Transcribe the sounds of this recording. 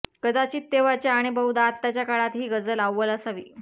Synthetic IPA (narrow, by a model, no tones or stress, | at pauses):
kəd̪at͡ɕiːt̪ːeʋat͡ɕjaːɽ̃ibəwd̪at̪ːat͡ɕjakaɭat̪ɦiːɡəd͡zəlawːələsaʋḭː